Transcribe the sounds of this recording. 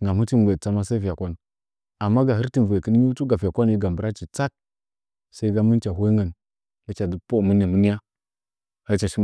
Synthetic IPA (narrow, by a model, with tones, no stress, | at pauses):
ŋɡa˨mu˦ti˦m˨ɡʷe˨t͡sa˦ma˦sa˦i˦fi˨ja˨kʷa˦n˨ | a˨mːa˦ɡa˨ɦə˦ɾti˨nve˨kə˦n˦ɲi˦tu˦ɡa˨fi˨ja˨kʷa˦n˨i˦ɡa˨m˨bə˨ɾa˦t͡ʃi˨t͡sa˦k̚ | sa˦i˦ɡa˦mə˦n˦t͡ʃa˨ɦʷo˦ŋɡə˨n | ja˦t͡ʃa˨di˨˦po˦˨mə˦ni˨mə˦ni˦ja˦ | ha˦ɾt͡ʃa˨ʃi˦m˨